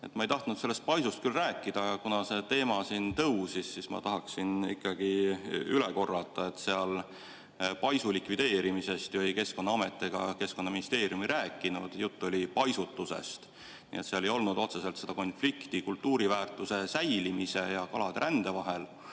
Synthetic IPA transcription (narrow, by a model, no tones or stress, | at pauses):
e̞t̪mɑejt̪ɑht̪nud̪se̞lːe̞st̪̚pɑjsust̪kylræːkˑːid̪̥ɑjɑkunɑse̞t̪e̞ːmɑsint̪ɤwsisːismɑ̰t̪ɑɦɑksinḭkːˑɑɡ̥iyleko̞rːɑt̪ːˑɑe̞t̪seɑl | pɑjsulikvid̪̥e̞ːɾimise̞st̪vɯjke̞sko̞nːɑɑme̞t̪ːˑeɡ̥ɑke̞sko̞nːɑminist̪e̞ːɾijumeɾæːkːˑinud̪̥jut̪ːo̞lʲipɑjsut̪ːuse̞̰st̪ | nḭːet̪seɑlejo̞lnud̪̥o̞t̪se̞se̞lt̪se̞d̪̥ɑko̞nflikt̪ikult̪ːuːɾivæːrt̪ˑuse̞sæjlimise̞jɑkɑlɑd̪eɾʔænd̪̥e̞vɑɦe̞l